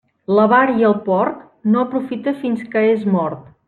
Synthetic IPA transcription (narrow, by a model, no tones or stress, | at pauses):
ləβaɾiəlˠpɔrk̚ | noəpɾufit̪əfinskəezmɔɾt̪